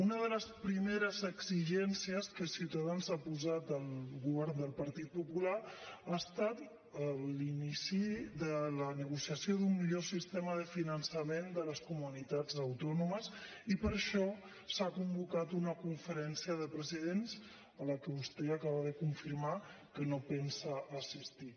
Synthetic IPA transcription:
unəðələspɾimeɾəzəɡziʒɛnsiəskəsiwt̪aðanzapuzat̪əlˠɣuβɛɾnd̪əlˠpəɾt̪it̪̚pupulaaəst̪at̪ | əllinisiðələnəɣ̞usiəsijoðumːiʎosist̪ɛməðəfinənsəmend̪ələskumunit̪ad͡zəwt̪ɔnuməz | ipəɾʃɔ | sakumbukat̪unəkuɱfəɾɛnsiəðəpɾəziðenz | ələkəust̪eəkaβaðəkuɱfiɾma | kənopɛnsəʔːsist̪i

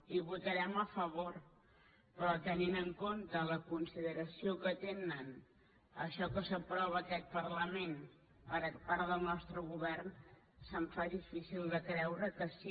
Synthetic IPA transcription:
iβut̪əɾɛməfəβ̞or | pɾɔt̪əninəŋkont̪ələkunsiðəɾəsiokət̪enən | əʃɔkəsəpɾɔβəːkɛt̪̚pərləmen | pəɾəpaɾðəlˠnɔst̪ɾəɣuβɛrn | səɱfaðifisilˠd̪əkɾɛwɾəkəsi

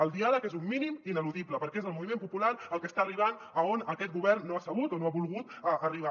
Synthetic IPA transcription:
əlˠd̪ialəkezumːiniminəluðipləpəɾkɛezəlˠmuβimempupulaɾəlˠkəst̪aəriβ̞an | əonəkɛt̪̚ɡuβɛrnːoasəβ̞ut̪onoaβulˠɣut̪əʔəriβ̞a

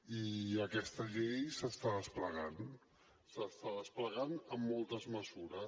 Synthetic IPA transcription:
iəkɛst̪əʎejsəst̪aðəspləɣan | səst̪aðəspləɣanəmːɔlˠt̪əzməzuɾə

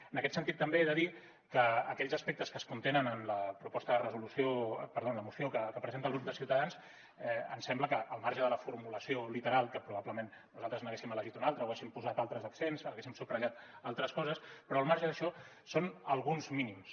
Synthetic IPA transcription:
ənəkɛt̪sənt̪it̪ːəmbeɛðəði | kəːkɛʎzəspɛk̚t̪əskəskunt̪enənənləpɾupɔst̪əðərəzulusjopəɾðonləmusjokəkəpɾəzent̪əlˠɣɾup̚d̪əlsiwt̪əðans | ɛə̰nsɛmbləkəʔəlˠmaɾʒəðələfuɾmuləsiolit̪əɾalˠkəpɾuβabləmenːuzalˠt̪ɾəznəɣesimələʒit̪unalˠt̪ɾəowɣesimpuzat̪alˠt̪ɾəzəksensələɣesimsupɾəʎat̪alˠt̪ɾəskɔzəspɾɔːlˠmaɾʒəðəʃɔ | sonəlˠɣunzminims

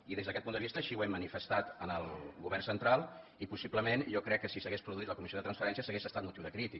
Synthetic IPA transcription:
iðezðəkɛt̪̚pund̪əβist̪əːʃiwɛmːənifəst̪at̪ənəlˠɣuβɛɾrnsənt̪ɾalˠ | ipusipləmenʒɔkɾɛkːəsisəɣespɾuðuit̪ləkumisioðət̪ɾənsfəɾɛnsiəsəɣesəst̪at̪̚mut̪iwðəkɾit̪i

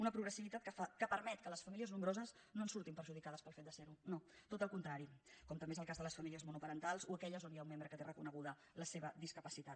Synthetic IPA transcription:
unəpɾuɣɾəsiβit̪at̪kəfakəpəɾmɛt̪kələsfəmiliəznumbɾozəs | noənsuɾt̪impəɾʒuðikaðəspəlˠfet̪̚d̪əseɾunot̪ot̪əlˠkunt̪ɾaɾikɔmt̪əmbezəlˠkazðələsfəmiliəzmunupəɾənt̪alˠzuəkɛʎəzonjaumːembɾəkət̪erəkunəɣuðə | ləseβəd̪iskəpəsit̪at̪

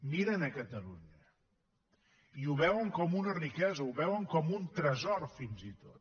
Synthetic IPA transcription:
miɾənəkət̪əluɲə | iuβɛwəŋkɔmunərikɛzəuβɛwəŋkɔmunt̪ɾəzɔrfinzit̪ot̪

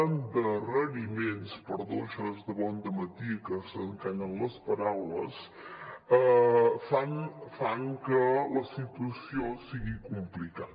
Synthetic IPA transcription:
nd̪ərəɾimenspəɾðoʃəzd̪əβɔnd̪əmət̪ikəsəŋkaɲənləspəɾawlə̰s | əfanfaŋkələsit̪uəsiosiɣikumplikat

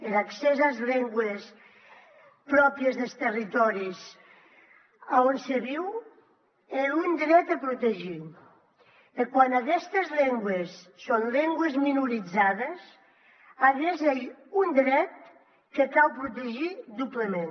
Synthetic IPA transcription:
elaksɛzalzʎeŋɡwes | pɾɔpiezðelˠst̪erit̪ɔɾis | aonseβiw | elund̪ɾɛt̪apɾut̪eʒi | ekwanakɛst̪ezʎeŋɡwesːonleŋɡwezminuɾid͡zaðes | aðezeʎund̪ɾɛt̪̚ | kekalwpɾut̪eʒid̪uplemẽn

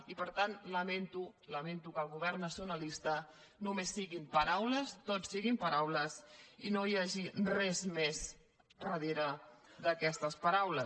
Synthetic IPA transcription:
ipəɾt̪anləment̪uləment̪ukəlˠɣuβɛɾnəsunəlist̪ə | numesːiɣimpɐɾawləst̪osːiɣimpəɾawləzinojaʒirɛzmez | rəðeɾəðəkɛst̪əspəɾawlə

